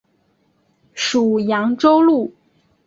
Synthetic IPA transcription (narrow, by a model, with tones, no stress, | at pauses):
ʂu˨˩jɑ˧˥ŋʈ͡ʂo˥ʊlu˥˩